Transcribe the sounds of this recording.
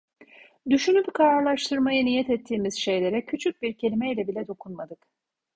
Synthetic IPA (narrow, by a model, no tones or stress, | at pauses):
d̪yʃynʲybikʰaɾaɾlˠaʃt̪ʰɯɾmajɯnijɛt̪ɛt̪ʰːiːmizʃe̞jlʲe̞ɾɛcʰyt͡ʃʰyc̚biɾcʰe̞lʲimɛilʲɛbilʲɛd̪o̞kʰunmad̪ɯk